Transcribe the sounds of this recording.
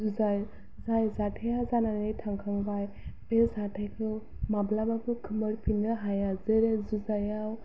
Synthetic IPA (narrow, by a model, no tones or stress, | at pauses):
zuzaj | zajzaʈʰajazananetʰaŋkʰaŋbaj | bezaʈʰajkʰɯ | mablabakɯkʰɯməɾpʰinɯɦajazeɾezuzajaw